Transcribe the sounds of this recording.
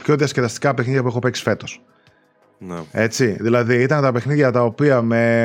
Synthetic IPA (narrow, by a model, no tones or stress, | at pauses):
pço̞ðiɐskeðɐst̪i̥kɐpexniðʝɐp̬uexope̞ksi̥fe̞t̪os | ne̞t͡siðilɐðiit̪ɐnt̪ɐpexniðʝɐt̪ɐo̞piɐme̞